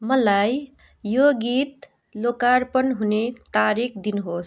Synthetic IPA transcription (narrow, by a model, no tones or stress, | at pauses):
mʌlaj | joɡit̪ | lokaɾpʌnɦunet̪aɾikʰd̪inɦos